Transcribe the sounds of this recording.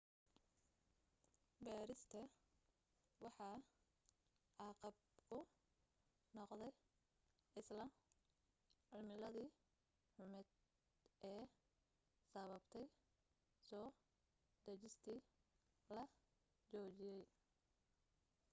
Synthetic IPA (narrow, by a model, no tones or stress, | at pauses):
baːɾɪst̪ʰɐ | wɑħɑː | ʔɑːqɑb | kʰʊ | nɔqd̪ɛj | ɪslɐ | ʕɪlmɪlɐðiː | ħʊmɪd̪ | ʔɛː | sɐβɐbt̪ʰɛj | sɔː | d̪ɐt͡ʃɪst̪ʰiː | lɐ | t͡ʃɔːt͡ʃɪjɛj